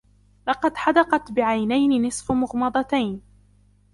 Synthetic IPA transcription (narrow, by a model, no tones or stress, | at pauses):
lɑqɑd̪ħɑd̪ɑqɑt̪bɪʕajnajnɪnɪsˤfmʊɣmɑd̪ˤɑt̪ajn